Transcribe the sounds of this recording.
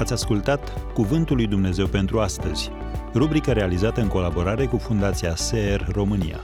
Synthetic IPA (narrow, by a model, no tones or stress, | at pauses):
at̪sʲaskult̪at̪kuvɨnt̪ulːujd̪umne̞ze̞wpe̞nt̪ɾuast̪əz̥ʲ | rubɾikəɾe̞alizat̪əɨŋko̞labo̞ɾaɾe̞kufund̪at̪siaseerro̞mɨnḭja̰